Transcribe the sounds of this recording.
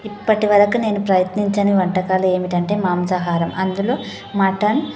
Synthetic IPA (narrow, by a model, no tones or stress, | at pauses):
ipːɐʈiʋɐɾɐkune̞ːnupɾɐjɐt̪niɲt͡ʃɐniʋɐɳʈɐkaːlue̞ːmiʈɐɳʈe̞ːmaːmd͡ʒɐɦaːɾɐmʔɐnd̪ulo̞ː | maːʈɐn